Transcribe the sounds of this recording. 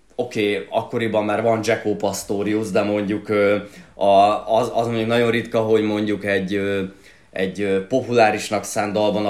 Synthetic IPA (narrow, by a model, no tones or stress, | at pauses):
o̞keːɒkːo̞ɾibɒmːaːrvɒnd͡ʒɛkoːpɒst̪oːɾiuzd̪ɛmo̞ɲɟukøːɒzɒzmoɲɟuknɒɟo̞nrit̪kɒɦo̞ɟmo̞ɲɟukɛɟːøː | ɛ̰ɟøːpo̞pulaːɾiʃnɒksaːnd̪ɒlbɒn